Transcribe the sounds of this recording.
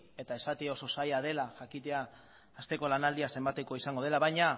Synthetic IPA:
e̞t̪ae̞sat̪io̞so̞sajað̞e̞laʝakit̪e̞aː | st̪e̞ko̞lanald̪iase̞mbat̪e̞ko̞isaŋɡo̞ð̞e̞laβajɲa

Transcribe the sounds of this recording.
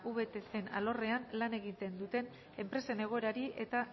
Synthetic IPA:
ʔuβe̞t̪e̞se̞na̰lo̞re̞anlane̞ɣit̪e̞nd̪ut̪e̞n | e̞mpɾe̞se̞ne̞ɣ̞o̞e̞ɾaɾiʔe̞t̪a

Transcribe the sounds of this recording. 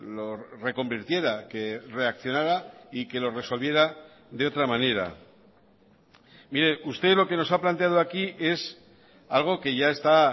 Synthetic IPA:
lo̞re̞ko̞mbiɾt̪je̞ɾake̞re̞akθjo̞naɾaike̞lo̞re̞so̞lβje̞ɾa | ðe̞o̞t̪ɾamãne̞ɾa̰ | miɾe̞ʔust̪elo̞ke̞no̞saplant̪eað̞oakiʔe̞s | alɣ̞o̞ke̞ʝae̞st̪a

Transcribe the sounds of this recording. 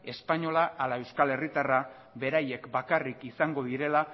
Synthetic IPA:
e̞spaɲo̞laʔːlae̞wskale̞rit̪ara | βe̞ɾaje̞kbakarikisaŋɡo̞ðiɾe̞la

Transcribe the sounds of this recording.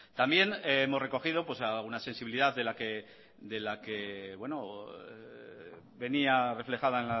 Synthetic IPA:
t̪ambje̞neemore̞ko̞xið̞o̞pwe̞saunase̞nsiβiliðaððe̞lake̞ | d̪e̞lake̞βwe̞no | βe̞niare̞fle̞xað̞aenla

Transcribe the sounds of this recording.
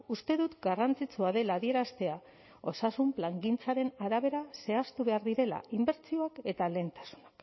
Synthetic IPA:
ust̪e̞ðut̪ɡarant͡sit͡suaðe̞laːðie̞ɾast̪e̞a | o̞sasumplaŋɡint͡saɾe̞naɾaβ̞e̞ɾase̞ast̪uβe̞aɾðiɾe̞la̰imbe̞ɾt͡sio̞ake̞t̪ale̞nt̪ḁsu̥nḁk

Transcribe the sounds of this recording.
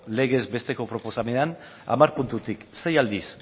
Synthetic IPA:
le̞ɣ̞e̞zbe̞st̪e̞ko̞pɾo̞po̞samean | a̰maɾpunt̪ut̪ikse̞jald̪is

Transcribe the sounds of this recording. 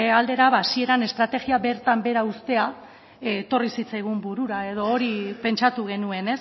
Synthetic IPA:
ald̪e̞ɾaβasie̞ɾane̞st̪ɾat̪e̞ɣiaβe̞ɾt̪ambe̞ɾaust̪e̞a | t̪o̞risit͡sajɣ̞umbuɾuɾae̞ð̞o̞ːɾipe̞nt͡ʃat̪uɣ̞e̞nue̞ne̞s

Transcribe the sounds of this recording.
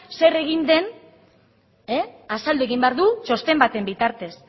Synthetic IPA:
se̞re̞ɣ̞ind̪e̞n | easald̪ue̞ɣ̞imbe̞aɾðut͡ʃo̞st̪e̞mbat̪e̞mbit̪aɾt̪e̞s

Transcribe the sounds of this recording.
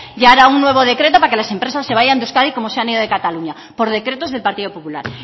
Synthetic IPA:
ʝaɾaunːwe̞β̞o̞ð̞e̞kɾe̞t̪̬o̞pakelasẽ̞mpɾe̞sasːe̞β̞aʝand̪uskaðiko̞mo̞seaniðoðe̞kat̪aluɲa | po̞ɾð̞e̞kɾe̞t̪o̞zðe̞lpaɾt̪iðo̞popula̰ɾ

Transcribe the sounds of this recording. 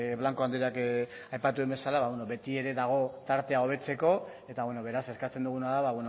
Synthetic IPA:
βlaŋko̞and̪iɾak | ajpat̪uðembe̞salaβaβweno̞βe̞t̪ie̞ɾe̞ðaɣ̞o̞t̪aɾt̪e̞ao̞β̞e̞t͡se̞ko̞ | e̞t̪aβweno̞β̞e̞ɾase̞skat͡se̞nd̪uɣ̞unaðaβaβweno

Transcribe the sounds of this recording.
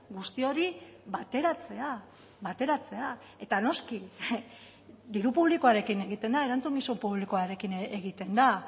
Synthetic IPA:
ɡust̪io̞ɾiβat̪e̞ɾat͡se̞a | βat̪e̞ɾat͡se̞a | e̞t̪ano̞ski | d̪iɾupuβliko̞aɾe̞kine̞ɣit̪e̞nd̪ae̞ɾant͡suŋɡisumpuβlikoaɾe̞kineɣit̪e̞nd̪a

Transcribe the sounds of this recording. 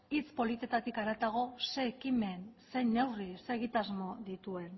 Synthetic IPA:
it͡spo̞lit̪e̞t̪at̪ikaɾat̪aɣo̞se̞ːkime̞nse̞jnːe̞wrise̞ɣit̪azmo̞ðit̪ue̞n

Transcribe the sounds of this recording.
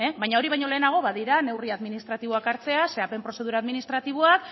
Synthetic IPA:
eβajɲao̞ɾiβajɲo̞le̞ːnaɣ̞o̞βaðiɾane̞wriaðminist̪ɾat̪iβoakaɾt͡se̞ase̞ape̞mpɾo̞se̞ðuɾaːðminist̪ɾat̪iβoak

